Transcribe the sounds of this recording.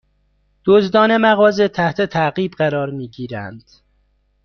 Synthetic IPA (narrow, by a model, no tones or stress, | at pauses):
d̪̥ozd̪ɒːne̞mæɣɒːzet̪ʰæht̪ʰet̪ʰæɣiːbɢæɾɒːɾmiːɟiːɾænd̪̥